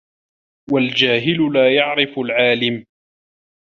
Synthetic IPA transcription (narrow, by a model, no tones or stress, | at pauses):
wald͡ʒaːɦɪlʊlaːjaʕɾɪfʊlʕaːlɪm